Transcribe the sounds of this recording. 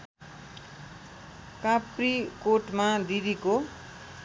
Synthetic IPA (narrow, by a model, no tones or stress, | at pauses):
kaprikoʈmad̪id̪iko